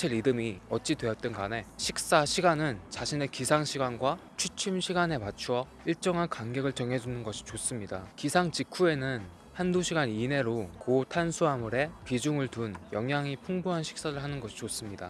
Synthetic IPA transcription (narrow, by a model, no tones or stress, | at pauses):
t͡ɕʰeɾidɯmiʌt̚t͡ɕ͈idwe̞jʌt̚t͈ʌnɡane̞ɕʰik̚s͈aɕʰiɡanɯnt͡ɕaɕʰine̞kisʰaŋɕʰiɡanɡwat͡ɕʰut͡ɕʰimɕʰiɡane̞mat͡ɕʰuwʌ | iɭt͡ɕ͈ʌŋɦankaŋɡe̞ɡɯɭt͡ɕʌŋɦe̞d͡ʑunɯnɡʌɕʰi̥t͡ɕos͈ɯmɲidakisʰaŋt͡ɕikʰue̞nɯn | handuɕʰiɡanine̞ɾokotʰansʰuɦamuɾe̞pid͡ʑuŋɯɭtunjʌŋɦjaŋipʰuŋbuɦanɕʰi̥k̚s͈aɾɯɭɦanɯnɡʌɕʰi̥t͡ɕos͈ɯmɲida̰